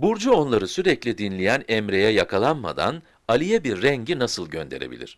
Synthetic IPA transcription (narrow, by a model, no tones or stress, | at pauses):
buɾd͡ʒuo̞nlˠaɾɯsyɾɛclʲid̪inlʲijænɛmɾe̞jɛjakʰalˠanma̰d̪a̰n | alʲijɛbiɾːɛɲɟinasɯlˠɟø̞nd̪e̞ɾebḭlʲḭɾ̥